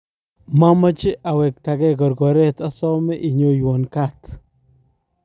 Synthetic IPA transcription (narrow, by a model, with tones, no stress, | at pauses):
ma˦mə˦t͡ʃɪ˦ʔa˨wɛ˨k̚t̪a˨ɡɛ˦kɔ˨ɾɡɔ˨ɾɛ˦t̪a˦sɔ˦me˦ʔi˨ɲo˦jwɔ˨nka˦t̪